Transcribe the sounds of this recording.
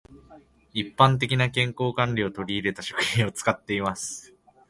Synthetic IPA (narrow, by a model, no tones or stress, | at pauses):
ipːãnt̪̬e̞kʲinakẽ̞ŋko̞ːkãɲɾʲio̞t̪o̞ɾʲiːɾe̞t̪aɕo̞̥kɯ̟̥xĩɰ̃o̞t͡sɨ̥kat̪ːe̞imasɨ̥